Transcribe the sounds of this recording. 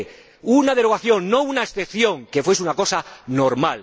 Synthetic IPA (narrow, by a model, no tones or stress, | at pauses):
unað̞e̞ɾoɣ̞aθjo̞ŋːo̞unaesθe̞pθjo̞ŋke̞fwesunako̞sano̞ɾmal